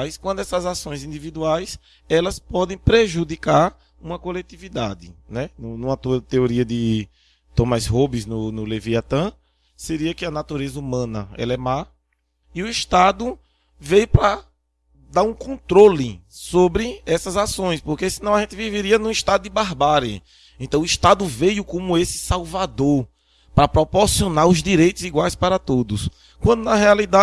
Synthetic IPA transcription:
jskwɐ̃d̪ʊɛsɐzasõj̃zĩnd̪ivid̪uajs | ɛlɐspɔd̪ẽj̃pɾeʒud̪ikaɾ | ũmɐkolet̪ivid̪ad̪ɪnɛnũnũɐt̪uɐt̪eoɾiɐd̪ɪ | t̪õmasɦobɪznʊnʊleviat̪ɐ̃ | seɾiɐkɪɐnat̪uɾezɐumɐ̃nɐ̰ɛ̰lɐɛma | iʊiʃt̪ad̪ʊ | vejʊpɾɐ | d̪aɾũkõt̪ɾolɪsobɾɪɛsɐzasõj̃spoɾkesinɐ̃w̃ɐʒẽnt̪ɪviveɾiɐnũiʃt̪ad̪ʊd̪ɪbaɦbaɾɐ̰ | ẽnt̪ɐ̃w̃ʊiʃt̪ad̪ʊvejʊkõmʊesɪ̥sawvad̪oɾ | pɾɐpɾɔpɔɾsionaɾʊzd̪iɾejt̪ʊziɡwajspaɾɐt̪od̪ʊs | kwɐ̃nd̪ʊnɐɦɛalid̪a

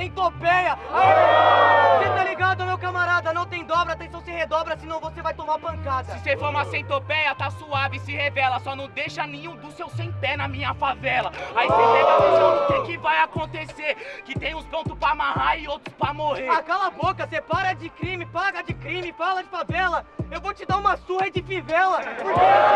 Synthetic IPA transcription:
sẽj̃t̪opɛjɐaĩvoset̪aliɡad̪ʊɐmewkɐmaɾad̪ɐnɐ̃w̃t̪ẽj̃d̪ɔbɾɐat̪ẽsɐ̃w̃sɪhed̪ɔbɾɐsɪnɐ̃w̃vosevajt̪õmaɾpɐ̃kad̪sɐsɪsefoɾũmasẽj̃t̪opɛjɐt̪asuavɪsɪhevɛlɐsɔnɐ̃w̃d̪ejʃɐnẽɲũd̪ʊsewsẽj̃pɛnɐmĩɲɐfavɛlɐaiselɛvɾɐẽsɐ̃t̪ẽkɪvajakõnt̪eseɾkɪt̪ẽj̃ʊ̃spõt̪ʊspɾaamahaɾɪowt̪ɾʊspɾɐmoheɾakalɐbokɐsepaɾɐd͡ʒɪkɾĩmɪpaɡɐd͡ʒɪkɾĩmɪfalɐd͡ʒɪfavɛlɐewvowt͡ʃɪd̪aɾũmɐsuhɐd͡ʒɪfivɛlɐpoɾke

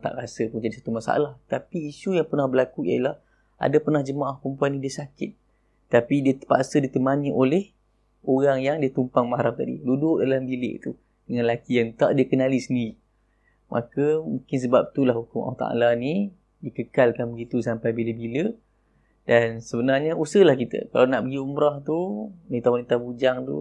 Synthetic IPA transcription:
t̪a̰ʔɾasəpund͡ʒadisḁt̪umasa̰a̰laht̪apiːʃujaŋpərnahbəlakuia̰ilah | a̰dapərnahd͡ʒəmaʔahpəəmpuanĩdiəsakɪt̪̚ | t̪ːapidiət̪əpa̰ʔsədit̪əmanĩʔolɛh | oɣaŋjaŋdiat̪umpaŋmaɦaɾam̚t̪adḭludʊʔdalambilɪ̰ʔḭt̪u | d̥əŋãnlakijaŋt̪a̰ʔdiəkənalisəndiɾi | mʔa̰kəmũŋkɪns̬əbap̚t̪ulahukʊŋa̰wht̪a̰a̰lani | dikəkalkanbəɡit̪usampajbiləbilə | dansəbənarɲausəlahkit̪ə̰ka̰lawnaʔbəɡiumɾaht̪unit̪awanit̪abud͡ʒaŋt̪ṵ

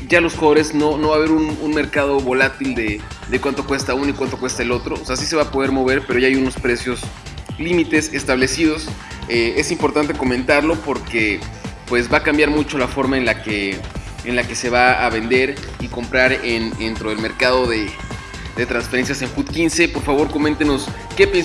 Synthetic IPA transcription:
ɟ͡ʝalo̞sxoβoɾe̞zno̞no̞βaβe̞ɾununme̞ɾkað̞o̞βo̞lat̪ild̪e̞d̪e̞kwant̪o̞kwe̞st̪aunoikwant̪okwe̞st̪aelo̞t̪ɾo̞seasis̬e̞βapo̞ð̞e̞ɾmo̞βe̞ɾpe̞ɾo̞ʝaajuno̞spɾe̞sjo̞s | limit̪e̞sest̪aβle̞siðo̞s | ee̞simpo̞ɾt̪ant̪e̞ko̞mẽnt̪aɾlo̞po̞ɾkepwe̞zβakambjaɾmut͡ʃo̞lafo̞ɾmaenlake | enlake̞se̞βaa̰βe̞nd̪e̞ɾ | iko̞mpɾaɾenent̪ɾoðe̞lme̞ɾkað̞o̞ðe̞ | d̪e̞t̪ɾansfeɾe̞ns̬jase̞ŋxuðkinse̞po̞ɾfaβ̞o̞ɾko̞ment̪eno̞s | ke̞pe

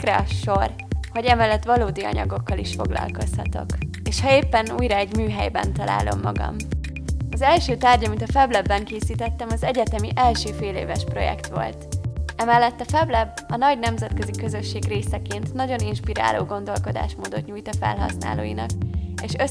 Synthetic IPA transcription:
krɛɒʃo̞r | ho̞ɟɛmɛlːɛt̪ʋɒloːd̪iɒ̰ɲɒ̰ɡo̞kːɒliʃfo̞ɡlɒ̰lko̞shɒ̰t̪o̞̰k | eːʃhɒeːpːɛnuːjɾɒɛɟmyːɦɛjbɛ̰nt̪ɒla̰ːlʔo̞̰mːɒɡɒ̰m | ɒzɛlʃøːt̪aːrɟɒmint̪ɒfɛblɛbːɛŋkeːsiːt̪ɛt̪ːɛmɒzɛɟɛt̪ɛmiʔɛlʃøːfeːleːvɛʃpro̞̰jɛ̰kt̪ʋo̞̰lt̪ɛmɛlːɛt̪ːɒfɛblɛbːɒnɒɟnɛmzɛt̪køzikø̞zø̞ʃːeːɡreːsɛkeːnt̪nɒɟo̞ninʃpiɾa̰ːlo̰ːɡo̞nd̪o̞lko̞d̪a̰ːʃmoːd̪o̞t̪ɲuːjt̪ɒfɛ̰lɦɒ̰sna̰ːlo̰ːjinɒkeːʃø

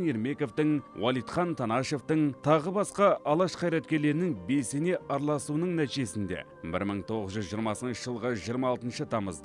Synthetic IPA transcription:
neɾme̞ko̞ft̪ɪŋwɑlˠijt̪χɑnt̪ʰɑnɑʃe̞ft̪əɴt̪ʰɑʁəbɑsqɑʔɑlˠɑʃqʰɑjɾɑt̪kʲe̞ɾle̞ɾɪnɪŋbe̞lse̞ne̞ʔɑɾlˠɑsuwənəɴnæt̪ijʒe̞sɪnd̪e̞̰ | bɪ̰ɾməɴt̪ʰo̞ʁəzʒʏzʒijəɾmɑsənʃəʒəlˠʁɑʒijəɾmɑːlˠt̪ənʃət̪ʰɑməzd̪ə

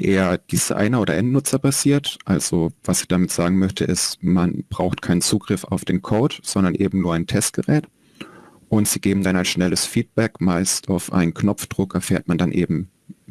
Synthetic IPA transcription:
ʔeːɐd̥iz̥a̰ɪnɐʔoːdɐʔɛntnʊt͡sɐpʰasiːɐtʔalz̥ovasɪ̥çd̥amɪtz̥aːɡŋ̩mœçtʰəʔɪstmanb̥ʁaʊxtkʰaɪnənt͡suːɡʁɪfa̰ʊfd̥eːnkʰoʊtz̥ɔndɐnʔeːbm̩nuːɐaɪntʰɛst̚ɡ̥əʁɛːt | ʔʊntz̥iːɡeːbm̩danaɪnʃnɛləsfiːt̚b̥ɛkma̰ɪstaʊfʔa̰ɪnənknɔpp͡fd̥ʁ̥ʊkɛɐfeːɐt̚mandanʔeːbm̩

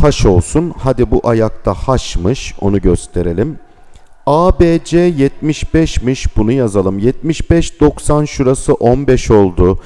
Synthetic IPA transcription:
haʃo̞lˠsunhad̪ibuʔajak̚t̪ʰahaʃmɯʃo̞̰nuɟøst̪ʰe̞ɾe̞lʲim | aːbed͡ʒɛjɛt̪̚miʃbɛʃmiʃbunujazalˠɯmjɛt̪̚miʃbɛʃd̪o̞ksanʃuɾasɯʔonbɛʃo̞lˠd̪u

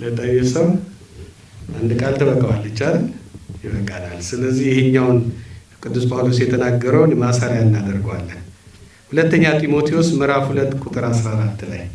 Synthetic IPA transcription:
lət̪ʼəjesəw | ʔand̪kʼalt̪ʰəβəkʼːəwalːɨt͡ʃːaljɪβəkʼːalalsɨləzːihjɪheɲːawnkʼɨd̪ːuspʰʼawlosjɛt̪ʰənaɡːəɾəwnmasaɾjaɨnːad̪əɾɡwa̰lːən | hulət̪ːəɲːat̪ʰimo̞t̪ʰiosməɾafhulət̪ːkʼut̪ʼɨɾasɾaɾat̪ːɨla̰j

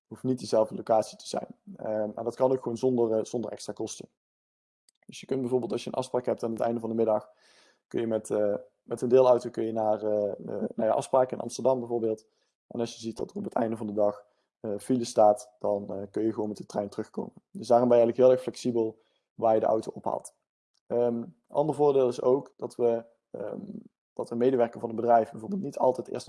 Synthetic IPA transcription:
ɦuftnit̚dizɛlˠvdəlokaːtsi̥tə̥z̥ɛ̰jnəma̰ndɑtkɑnokxχʋownzɔndərz̥ɔndəɹʔɛ̰kstraːkɔstə | d̥ɵsjəkɵnt̚bɛjvoːbeːlˠtɑʃjə̰nʔɑ̰fspraːkɦɛp̚taːnətɛ̰jndəvɑndəmɪdɑx | kɵnjəmɛt | mɛtəndɪːlˠʌwtowkɵnjənaːrə̰nawja̰ʔɑ̰fspraːkəɪnɑ̰mstəɹdɑmbɛjvoːɹbeːlˠt | ʔɛ̰nɑsjəzitdɑ̰tərɔpətʰɛ̰jndəvɑndədɑx | filəstaːtd̥ɑnkɵnjəχʋonmɛtdətrɛjntərɵxko̰wməndəsdaːrɔmbɛjɛjləkʋɪlˠɛxflɛksibəlˠ | ʋaːɹjədəʔʌ̰wtowɔpɦa̰ːlˠt | ə | ʔɑ̰ndəɹvʊːɹdeːlˠɪsowkd̥ɑtʋə | d̥ɑtʋəmejdəʋɛɹkənvɑnənbədrɛjfbɛvoːɹbeːlˠtnitʰɑ̰lˠtɛjtɪ̰ːɹst

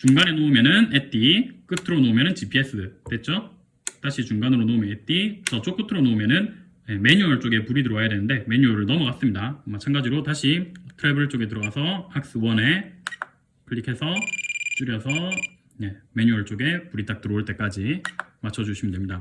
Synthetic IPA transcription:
t͡ɕuŋɡane̞noumjʌnɯnet͈ik͈ɯtʰɯɾonomjʌnɯnt͡ɕipʰies͈ɯd̥͈we̞t̚t͡ɕ͈o | t͈aɕʰit͡ɕuŋɡanɯɾonoumjʌnet͈ikɾsʰʌt͡ɕ͈ok͈ɯtʰɯɾonoumjʌnɯn | je̞me̞ɲuʌɭt͡ɕ͈oɡe̞puɾidɯɾʌwajade̞nɯnde̞me̞ɲuʌɾɯɭnʌmukas͈ɯmɲidamat͡ɕʰanɡad͡ʑiɾotaɕʰitʰɯɾabɯɭt͡ɕ͈oɡe̞t̬ɯɾʌwasʰʌhʰak̚s͈ɯwʌne̞ | kʰɯʎːikʰe̞sʰʌt͡ɕ͈ɯɾjʌsʰʌ | je̞me̞ɲuʌɭt͡ɕ͈oɡe̞puɾit͈ak̚t͈ɯɾʌuɭt͈e̞k͈ad͡ʑimat͡ɕʰʌd͡ʑuɕʰimɯndemɲida

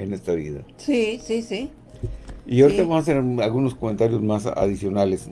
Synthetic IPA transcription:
enest̪ɾaβḭða̰sisisi | iawɾit̪aβamsaseɾalɣuno̞skoment̪aɾjo̞zmasa̰ðisjo̞nales

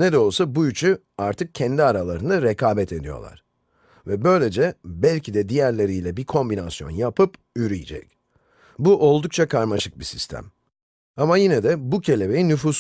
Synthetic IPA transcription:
nɛd̪ɛo̞lˠsabuyt͡ʃʰy | aɾt̪ʰɯk̚cʰɛnd̪iaɾalˠaɾɯnɯɾekʰaːbɛt̪ʰe̞d̪ijo̞̰lˠa̰ɾ̥ | vɛbø̞jlʲe̞d͡ʒɛbælʲcʰid̪ɛd̪ijæɾlʲe̞ɾijlʲɛbiɾkʰo̞mbinasjo̞̰njapʰɯp | yɾijid͡ʒɛ̰c | buʔo̞lˠd̪uk̚t͡ʃʰakʰaɾmaʃɯk̚bisist̪ʰæ̰m | amajinɛd̪ɛbucʰe̞lʲe̞be̞jinyfuːs

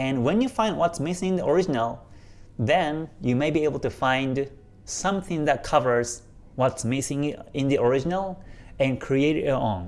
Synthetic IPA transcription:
ɛ̃nwɛ̃njɨfãɪ̃nd̚wʌtsmɪsɪ̃ŋ̃nðiʔəɹɪd͡ʒɨnəl̩ˠ | ðɛ̃njɨmeɪbieɪbəl̩ˠtɨfãɪ̃nd | sʌ̃mθɪ̃ŋðæt̚kʰʌvə˞z̥ | wʌtsmɪsɪ̃ŋɪ̃nðiʔɔɹɪd͡ʒɨnəl̩ˠɨ̃nkʰɹ̥ieɪɾɾɪɔ̃n

